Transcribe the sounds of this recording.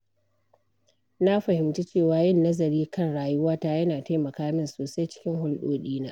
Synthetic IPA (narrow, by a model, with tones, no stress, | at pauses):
na˦ɸɐ˨hɪ˨mt͡ʃi˦t͡ʃeː˦˨waː˨jɪ˦nːɐ˦zɐ˨ɾiː˦kɐ˦˨nɽaː˨jʊ˦waː˦taː˦jɐ˦naː˨ta˦jmɐ˨kaː˦mɪ˦nsoː˨sa˦jt͡ʃɪ̥˦kʲɪ˦ŋɦʊ˦lɗoː˦ɗiː˦naː˦ʔ